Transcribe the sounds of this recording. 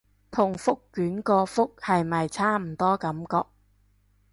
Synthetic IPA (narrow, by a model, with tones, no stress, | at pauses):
t̪ʰʊ˨˩ŋfʊ˥kːyː˨˥nkɔː˧fʊ˥k̚hɐ˨jmɐ˨jt͡sʰaː˥m̩˨˩t̪ɔː˥kɐ˨˥mkɔː˧k̚